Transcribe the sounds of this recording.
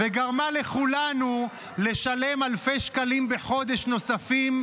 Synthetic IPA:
veɡaʁmale̞χulanu | le̞ʃale̞malfe̞jʃkalimbe̞χo̞d̪e̞ʃno̞safim

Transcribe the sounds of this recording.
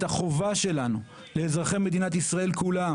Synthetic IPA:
t̪aχo̞vaʃe̞lanu | leːzʁaχe̞me̞d̪inat̪isʁae̞lkula

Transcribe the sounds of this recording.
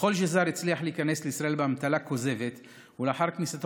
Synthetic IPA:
o̞lʃezaɾit͡sliaħleikanesleisʁaʔelbeamt̪alako̞ze̞vet̪ | uleaːħaʁknisat̪

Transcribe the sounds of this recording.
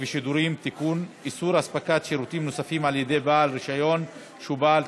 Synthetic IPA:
veʃid̪uɾimt̪ikunisuɾaspakat̪ʃiɾut̪imnosafimaljed̪e̞jbalɾiʃajo̞n | ʃubal

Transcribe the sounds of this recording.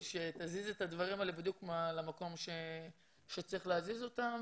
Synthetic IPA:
ʃe̞t̪azize̞t̪ad̪vaʁimalebid̪jukmalamako̞mʃe | ʃe̞t͡sʁiχleazizo̞t̪am

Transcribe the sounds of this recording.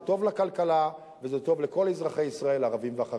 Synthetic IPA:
t̪o̞vlakalkala | vezet̪o̞vleko̞lezʁaχe̞jisʁae̞laʁavimveaχa

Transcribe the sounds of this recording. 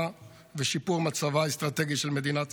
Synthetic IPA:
veʃipuʁmat͡savaest̪ʁat̪eɡiʃelmed̪inat

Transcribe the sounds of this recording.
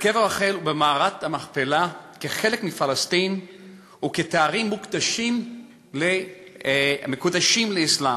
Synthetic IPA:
keveʁaχelubemaːʁat̪hamaχpelakeχe̞lekmifalast̪in | uket̪aaʁimːukd̪aʃim | le | mekud̪aʃimleislam

